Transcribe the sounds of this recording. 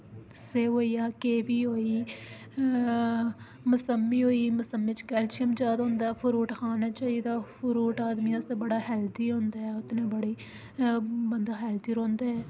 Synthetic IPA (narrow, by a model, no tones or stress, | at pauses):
seːɦoːijaːkeːʋiːɦoːiː | mʊsəmːiːɦoːiːmʊsəmːiːt͡ʃkɛːlt͡ʃɪəmd͡ʒaːd̪ɦõːnd̪aːɛːpʰʊɾuːʈkʰaːnaːt͡ʃaːiːd̪aːpʰʊɾuːʈaːd̪miːãst̪eːbəɽaːɦɛːld̪iːɦõːnd̪aːɦɛːʊt̪nẽːbəɽeː | bənd̪aːɦɛːld̪iːɾõːnd̪aːɛː